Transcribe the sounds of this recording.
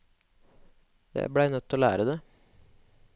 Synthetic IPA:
jæ̰ɪbɽæɪnœt̪ʰːoːlæ̰ːɾəd̪eː

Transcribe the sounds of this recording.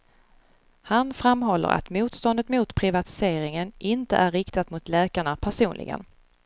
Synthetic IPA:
hanfɾamːɦɔlːə̰ɾʔa̰t̪muːt̪st̪ɔnd̪ət̪muːt̪pʰɾɪvat̪ɪ̥seːɾɪŋənʔɪnt̪ə̰ʔærːɪkt̪at̪mʊt̪lɛːkaɳapʰæʂuːnlɪ̰ɡə̰n

